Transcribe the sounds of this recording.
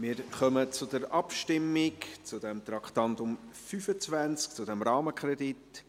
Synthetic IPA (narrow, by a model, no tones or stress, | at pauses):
mɪːɾχœmət͡sʊdəɾɑpʃtɪmːɪkt͡sʊdɛmt̪ɾɑkχtɑntʊmfyfət͡svænt͡sk̚t͡sʊdɛmɾɑːməkʰɾɛdit